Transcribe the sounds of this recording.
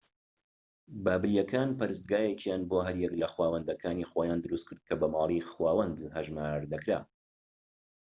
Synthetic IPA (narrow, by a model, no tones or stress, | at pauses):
baːbɨɾijɛkʰaːnpɐɾɨs̬t̪̚ɡaːjɛkjaːnboːɦɐɾjɛklɐxwaːwɐnd̪ɐkʰaːniːxoːjaːnd̪ɨɾust̪̚kʰɨɾd̪̚kʰɐbɐmɑːlˠixwaːwɐnd̪hɐʒmaːɾd̪ɐkɾa̰ː